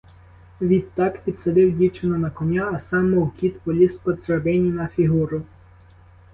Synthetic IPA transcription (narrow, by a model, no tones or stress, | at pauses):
ʋʲid̪t̪ːɑkpʲid̪sɐd̪ɪwdʲit͡ʃenɔnɐkɔnʲaːsɑmːɔwkʲit̪pɔlʲispɔd̪ɾɐbɪnʲinɐfʲiɦuɾʊ